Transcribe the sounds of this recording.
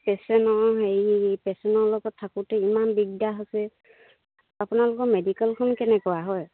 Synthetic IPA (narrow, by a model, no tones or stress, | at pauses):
pɛsɛnɔɦejpɛsɛnɔɹlɔɡɔtʰːakʊtɛimanbiɡdaɦosɛ | apʊnalʊkɔmedikɛlkʰɔnkɛnɛkɔwaɦɔj